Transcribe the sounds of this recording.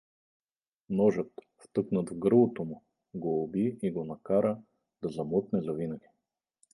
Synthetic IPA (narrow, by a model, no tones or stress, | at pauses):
nɔʒət̪ | ft̪ɤknət̪vɡəɾlˠot̪omʊ | ɡoːbiiɡonɐkaɾə | d̪ɐzɐmɔk̪nɛzɐvinəɡʲi̥